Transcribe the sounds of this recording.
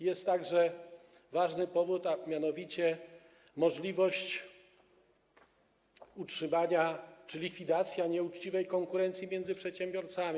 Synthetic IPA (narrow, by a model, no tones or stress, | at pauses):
jɛst̪ːaɡʐɛ | vaʐnɘpɔvut̪amʲjanɔvʲit͡ɕɛ | mɔʐlʲivɔɕt͡ɕ | utʂɘmaɲat͡ʂɘlʲikfʲid̪at̪sʲjaɲɛut͡ʂt͡ɕivɛjkɔŋkuɾɛnt̪sʲjimjɛnd̪zɘpʂɛt̪ɕɛmbʲjɔɾt̪samʲi